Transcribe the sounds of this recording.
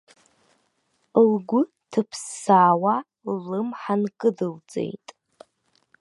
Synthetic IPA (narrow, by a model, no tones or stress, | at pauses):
lɡʷʊ | tʰɨpʰsːaːwa | lɨmħankʼɨdɨlt͡sʼe̞̰jtʼ